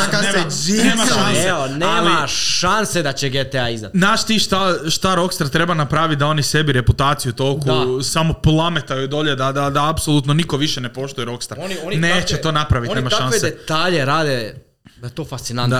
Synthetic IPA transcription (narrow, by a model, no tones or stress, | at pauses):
aneːmaanseeoneaːliaʃansed̪at͡ɕeɡet̪eaizd̪a̰t̪znaːʃt̪iʃt̪aʃt̪aɾo̞kst̪aɾt̪ɾe̞banapɾaːʋit̪̚ʲd̪ao̞nise̞biɾe̞put̪aːt̪sijut̪o̞kusamoplˠamet̪ajud̪o̞ʎed̪ad̪ad̪aːpsolˠuːt̪nonikoʋiʃene̞po̞ʃt̪ujeɾo̞kst̪aɾnoneːt͡ɕet̪o̞ːnapɾaʋit̪nemaʃʃanseeet̪aːʎeɾaːd̪e | d̪aet̪oːfast̪sinan